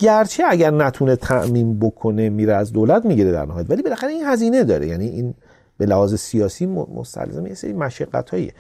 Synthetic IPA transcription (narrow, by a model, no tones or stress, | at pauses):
ɟæɾt͡ʃʰe̞æɟæɾnæt̪ʰunet̪ʰæʔmiːnbo̞kʰo̞nemiːɾeæzd̪oːlæt̪miɟiɾed̪æ̰ɾnæɦɒjæt̪ælibe̞læxæɾeinhæziːne̞d̪ɒːɾḛjæniʔiːn | b̥e̞læhɒːzesiɒːsiːmmo̰st̪ʰæ̰lzemjesḛɾimæʃæɡːæ̰t̪ʰhɒːḭe